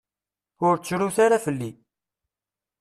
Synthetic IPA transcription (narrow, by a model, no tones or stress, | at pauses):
ʊɾt͡sːɾuθaɾafəlːi